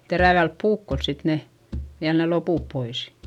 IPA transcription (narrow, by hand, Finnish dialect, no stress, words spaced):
teræʋælp puːkːols sit ne ʋiæl ne lopuˑp pois